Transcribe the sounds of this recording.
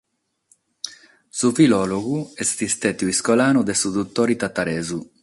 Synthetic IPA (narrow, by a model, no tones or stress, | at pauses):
sufilɔːloɡuɛst̪ist̪ɛt̪uiskɔlaːnud̪ɛsud̪ut̪ːɔːɾit̪at̪aɾɛːzu